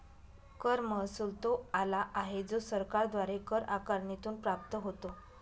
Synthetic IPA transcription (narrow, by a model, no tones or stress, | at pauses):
kəɾməsuːlt̪oalaʔaɦed͡zosəɾkaɾd̪ʋaɾekəɾakaɾnit̪uːnpɾap̚t̪əɦot̪o